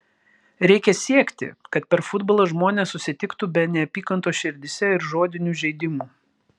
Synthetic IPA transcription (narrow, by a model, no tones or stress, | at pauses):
ɾʲɛɪkʲɛsʲiɛkʲt̪ʲɪ̰kɐt̪̚pʲɛɾfʊd̪boːlˠoːʒmoːnʲeːsːʊsʲɪt̪ʲɪkt̪uːbʲɛnʲɛɐpʲiːkɐnt̪oːʃʲɪɾʲd̪ʲɪsʲɛɪɾʒoːd̪ʲɪnʲuːʒʲɛɪd̪ʲɪmuː